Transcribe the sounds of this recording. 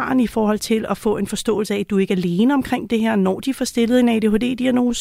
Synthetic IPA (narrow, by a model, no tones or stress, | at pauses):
nifɒːhɒ̽l̰t͡sʰe̝lɒfɔ̰̽ːe̝nfɒ̽sd̥ɔ̰̽ːl̩səæd̥ue̝ɡ̥æle̝ːnəɒ̽mkʰʁeŋ̰d̥e̝ɦæɐ̰nɒ̰ːd̥ifɒsd̥e̝ləð̩ˠenæɪd̥eɦod̥e̝̰ːd̥iæno̝ːs